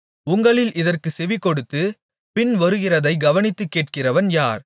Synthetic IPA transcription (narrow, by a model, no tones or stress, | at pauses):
ʊŋɡɐɭɪlʔɪðɐrkɯsɛʋikːɔɽɯt̪ːɯ | pɪnʋɐɾɯɣɪrɐðɐɪɡɐʋɐnɪt̪ːɯkːeːʈ̚kɪrɐʋɐnjaːɾ